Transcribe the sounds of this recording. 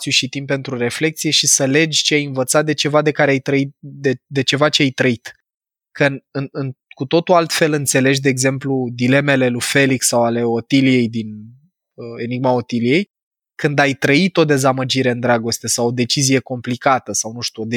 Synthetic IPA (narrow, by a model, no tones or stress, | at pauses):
t̪sjuʃit̪impe̞nt̪ɾuɾe̞fle̞k̚t̪sije̞ʃisəle̞d͡ʒʲt͡ʃeajɨnvət̪sat̪̚d̪e̞t͡ʃe̞vad̪e̞kaɾeajt̪ɾəit̪̚d̪ed̪e̞t͡ʃe̞vat͡ʃeajt̪ɾəit̪ | kənɨnɨnkut̪o̞t̪ualt̪fe̞lɨnt̪se̞le̞ʒd̪e̞ːɡze̞mplud̪ile̞me̞le̞lufe̞liksawale̞o̞t̪ilije̞jd̪in | əe̞niɡmao̞t̪ilije̞j | kɨnd̪ajt̪ɾəit̪o̞d̪e̞zaməd͡ʒiɾe̞ɨnd̪ɾaɡo̞st̪e̞sawod̪e̞t͡ʃizije̞ko̞mplikat̪əsawnuʃt̪uod̪e